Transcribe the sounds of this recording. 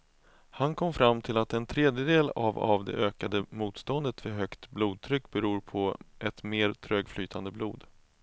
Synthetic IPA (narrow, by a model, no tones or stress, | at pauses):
hankʰɔmːfɾamːt̪ʰɪlat̪ɛnt̪ʰɾeːd̪jəd̪eːla̰va̰vd̪ɛ̰ʔøːkad̪əmuːt̪st̪ɔnd̪ət̪fœɦœkt̪bluːd̪̚t̪ʰɾʏkːbɛɾuːɾpʰɔʔɛt̪meːɾt̪ʰɾøːɡflyːt̪ʰand̪əbluːd̪